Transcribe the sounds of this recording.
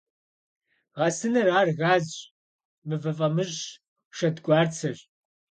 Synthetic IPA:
ʁɐsɨnɐraːrɣaːzɕʼ | mɨvɐfʼɐmɨʑ | ʃɐdɡʷʼɑːrt͡sʰɐɕʼ

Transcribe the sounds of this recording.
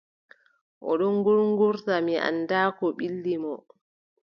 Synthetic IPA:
ʔɔ̰ɗɔŋɡuɾŋɡuɾtamiʔa̰nːdaːkɔɓilːimɔ

